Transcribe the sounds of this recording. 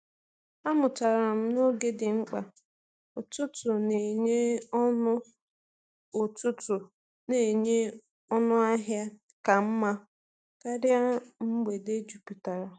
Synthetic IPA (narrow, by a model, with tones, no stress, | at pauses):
a˦mʊ˨ta˨ɾa˨m̩˦no˦ɡe˦dɪ˨ŋ͡m̩˦k͡pa˨ | o˨tʊ˦tʊ˨ne˨ɲe˦nʊ˦ | o˨tʊ˦tʊ˨ | ne˨ɲe˦ | ɔ˦nʊ˦a˦ɦja˦ | ka˨m̩˦ma˦ | ka˦ɾja˦m̩˦ɡ͡be˨de˦d͡ʒu˨pi˨ta˨ɾa˨